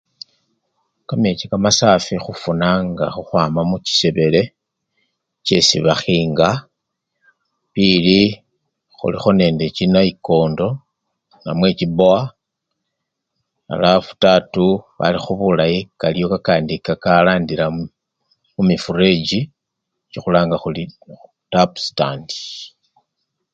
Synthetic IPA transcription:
kame̞t͡ʃikamasaːfixufunaŋɡaxuxwaːmamuci̥se̞βe̞le̞ | t͡ʃe̞̰siβaxiːŋɡa | pili | xṵlixo̞ne̞ːnde̞t͡ʃinaiko̞ːndo̞ | namwe̞t͡ʃiboa | a̰lafu̥tatuβa̰lixuβulajikalijo̞kakaːndikakalaːndila | mumifure̞d͡ʒi | t͡ʃixulaːŋɡaxuliutapstandi

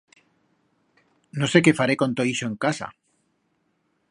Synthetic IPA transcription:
nose̞ke̞faɾekõ̞nt̪oiʃoeŋkasa̰

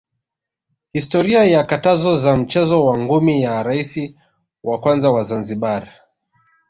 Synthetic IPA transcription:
histɔɾiajakatazɔzam̩t͡ʃɛzɔwaŋɡumijaɾaisi | wakwanzawazanziɓaɾa

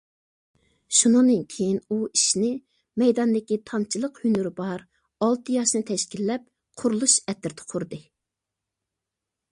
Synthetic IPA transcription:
ʃunɨŋd̪ɨnkʲʰejinuiʃnɪ | mɛjd̪ɑnd̪ɪkʲit̪ʰɑnt͡ʃʰilˠəqhynyɾɪbɑɾ | ɑlˠt̪ʰɨjɑʃnɨt̪ʰɛʃkʲilːɛp̚ | qʰʊɾlˠuʃɛt̪ɪɾt̪ʰɛ̥qʰʊɾd̪ɨ

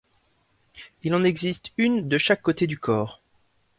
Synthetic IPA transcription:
ilɑ̃nɛɡzist̪ynd̪əʃakːot̪ed̪ykʰɔːʁ

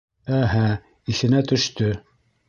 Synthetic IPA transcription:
æɦæ | isɘ̆næt̪ɵ̆ʃt̪ɵ

